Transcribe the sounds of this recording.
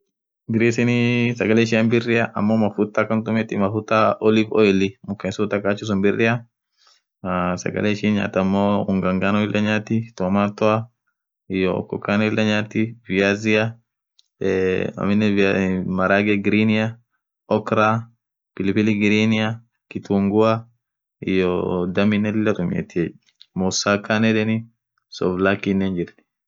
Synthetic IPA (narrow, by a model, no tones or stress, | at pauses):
ɡɪɾiːsɪnɪsɐɡɐlɛʃ̬ɪɐnbɪrːɪɐʔɐ̰mːomɐfʊt̪ːakːɐnt̪ʊmɛt̪ːɪmɐfʊt̪ːaɔlɪfɔɛlɪmʊkːɛnsut̪ɐkaːt͡ʃːʊs̬ʊmbɪrːɪɐ | sɐ̰ɡɐ̰lɛʃɪnɲa̰ːt̪ɐmːoʊŋɡɐŋɡanɔɪlʔɐɲaːt̪ːɪt̪ɔmaːt̪ːɔa | ɪjɔ̰kːɔ̰kanɔɪlʔɐɲaːt̪ːɪvɪaːzɪa | ɐ̰mɪnːɛmɐɾaːɡɛɡɪɾinɪjɐ | ɔkɾa | pɪlpɪlɪɡɪɾinɪa | kɪt̪uːŋɡʊa | ɪ̰jɔd̪ɐmɪnːɛlɪlːɐt̪ʊmḛt̪ːɪɛ | mɔsaːkːanɛᶑɛnɪ | sɔvlakːɪnːeːnd͡ʒɪɾnɪ̥